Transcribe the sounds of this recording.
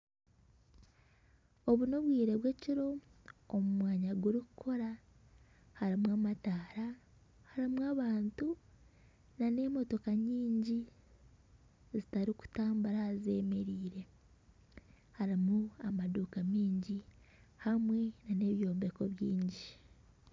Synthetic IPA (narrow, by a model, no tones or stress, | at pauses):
o̞βuno̞βwiːɾe̞βwe̞ciɾo̞ːmumwaːɲaɡuɾiku̥kʰo̞ɾa | haɾimwamataːɾa | haɾimwaβaːntu | nane̞mo̞to̞kaɲiːɲɟi | zitaɾiku̥taːmbuɾaːze̞ːme̞ɾiːɾe̞ | haɾimuamaduːkamiːɲɟi | hamwe̞nane̞βjo̞ːmbe̞ko̞βjiːɲɟi